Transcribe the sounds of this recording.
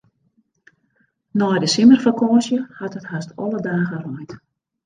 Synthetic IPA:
nɔjdəsimərfəkɔːsjəhatɦəthastʰɔ̰lədaːɣərɔjt

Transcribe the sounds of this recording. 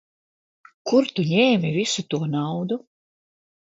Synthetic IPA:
kuɾt̪uɲɛːmʲivisut̪uɔnawd̪u

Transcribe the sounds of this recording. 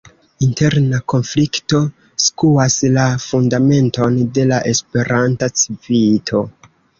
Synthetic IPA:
inte̞ɾnako̞nflikto̞ | skuaslafundame̞nto̞nde̞laʔe̞spe̞ɾantat͡sivitʰo̞

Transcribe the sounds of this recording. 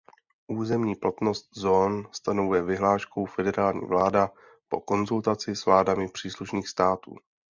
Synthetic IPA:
ʔuːzɛmɲiːplat̪no̞st̪zoːnst̪ano̞vujɛvɪɦlaːʃkowfɛdɛɾaːlɲḭːvlaːda | po̞̰ko̞nzult̪at͡sɪsvlaːdamɪpr̥iːsluʃniːxst̪aːt̪ṵː

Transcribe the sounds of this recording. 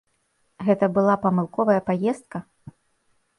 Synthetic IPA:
ɣɛt̪ɐbɨlˠapɐmɨlˠkɔvɐjɐpajɛst̪kɐ

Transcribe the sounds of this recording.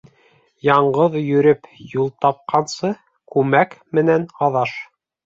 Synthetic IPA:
jɑɴɢɤðjɵ̆ɾɘpjulˠt̪ɑp̚qɑnsɤ | kʉmækmɘ̆nænɑðɑʃ

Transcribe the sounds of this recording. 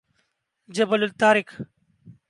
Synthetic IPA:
d͡ʒɐbɐlʊlt̪aːɾɪk

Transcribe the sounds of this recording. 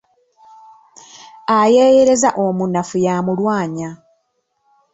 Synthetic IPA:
aje̞ːjeɾe̞zaʔomunːafujamulwaːɲa

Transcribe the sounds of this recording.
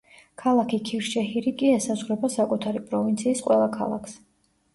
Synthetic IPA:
kʰalˠakʰikʰiɾʃɛhiɾikʼiɛsazʁwɾɛbasakʼut̪ʰaɾipʼɾɔvint̪sʰiːsqʼwɛlˠakʰa̰lˠa̰kʰs

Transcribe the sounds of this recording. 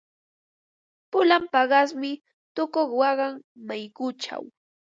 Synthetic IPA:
pʊlampɑɢɑsmɪ | t̪ʊkoχwɑɢɑŋmajkʊt͡ʃa̰w

